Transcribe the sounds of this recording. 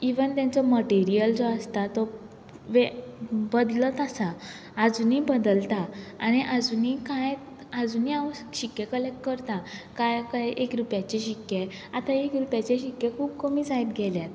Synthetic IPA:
iʋənt̪jãnt͡sɔməʈiɾijəld͡zɔəst̪at̪ɔ | ʋebəd̪lət̪asaː | d͡zuniːbəd̪əlt̪aːñiʔad͡zunikaj | əd͡zuniaʋɕikːjekəlek̚ʈkəɾt̪akajkajekɾupjat͡ɕeɕikje | at̪aekɾupjat͡ɕeɕikjekʰuːbkəmiːd͡zajt̪ɡʱɛljat̪

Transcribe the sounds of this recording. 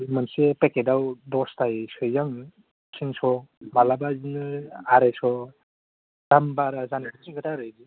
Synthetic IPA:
mansepekedawdɔstʰajsɔjaŋ | sʰiŋsɔbalabazinɯaɾajsɔ | tambaɾazankʰɯsʰiŋɡɯtaɾɯjɡi

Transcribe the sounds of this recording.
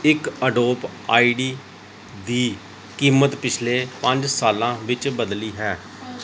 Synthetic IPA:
ɪkəɖoːp | aːiːɖiː | d̪iː | kiːmət̪pɪt͡ʃʰleːpəɲd͡ʒsaːlãːʋɪt͡ʃbəd̪liːɦɛː

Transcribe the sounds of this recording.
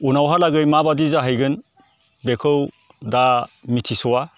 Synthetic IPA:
unawɦalaɡɯjmabadizaɦajɡɯn | bekʰɯw | damitʰisɔwa

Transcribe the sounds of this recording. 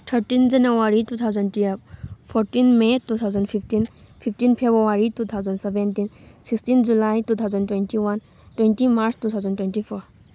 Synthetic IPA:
t̪ʰəɾʈind͡ʒanəwaɾit̪ut̪ʰawzənʈipʰɔɾʈinmet̪ut̪ʰawzənpʰifʰʈin | pʰipʈinpʰebɾuwaɾit̪ut̪ʰawzənɖseʋẽnʈinsiksʈind͡ʒulajt̪ut̪ʰawzənʈwenʈiwan | twenʈimaɾst̪ut̪ʰawzənʈwenʈipʰɔɾ

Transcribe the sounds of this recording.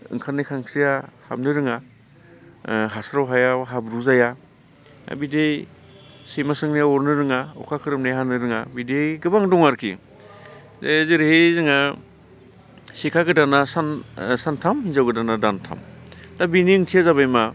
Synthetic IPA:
ɯ̰ŋkʰanikʰaŋsijaha̰mnɯɾɯŋa | ɦasɾawɦajaɦabɾuzaja̰ | bidej | semasɯŋnijaɔɾnɯɾɯŋaɔ̰kʰakʰɯɾɯmnajɦanɯɾɯŋabidejɡɯbaŋdɔŋaɾkʰḭ | zeziɾhezɯŋa | sikʰaɡɯdanasansantʰamhinzawɡɯdanadantʰa̰mtabiniɯŋtʰijazaβajma

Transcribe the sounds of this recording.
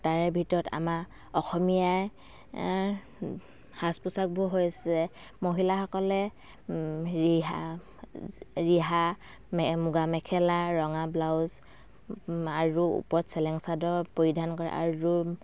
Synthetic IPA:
taɹɛbʱitɔɹɔta̰ma | ɔxɔmijaj | haspusak̚bʊɦojsɛ | moɦilaxɔkɔlɛ | iɦa | ɹiɦa | mmuɡamɛkʰɛlaɹɔŋablawz | aɹuṵpɔɹtsɛlɛŋsadɔɹpoɹidʱankɔɹɛ̰ʔa̰ɹu

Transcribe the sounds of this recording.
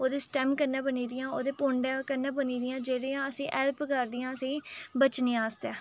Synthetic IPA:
oːd̪eːsʈɛːmkənːãːbəniːd̪ɪjãːoːd̪eːpoɳɖakənːãːbəniːd̪ɪjãːd͡ʒeːɽeːãːəsĩːʔɛːlpkəɾd̪ɪjãːəsĩːbət͡ʃnẽːaːst̪ɛː

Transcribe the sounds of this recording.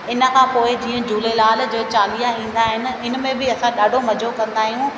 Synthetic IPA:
ɪnə̆kʰãːpoːɪd͡ʑiːə̃d͡ʑuːlelaːld͡ʑeːt͡ɕaːlijaĩːn̆d̪aːɦɪnɪ̆ɪn̆mẽbɪɐsãɗaːɖʱomɐd͡ʑʱokɐ̃nd̪aːɦijũ

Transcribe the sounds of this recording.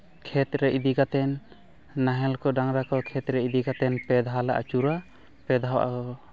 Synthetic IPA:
kʰɛt̪ɾɛʔid̪iɡat̪ɛnː | aɦɛlkɔdaŋɾakɔkʰɛt̪ɾɛid̪iɡat̪ɛnpɛd̪ʱɦala̰ʔa̰t͡ʃuɾa | pɛd̪ʱawʔa̰ɔ

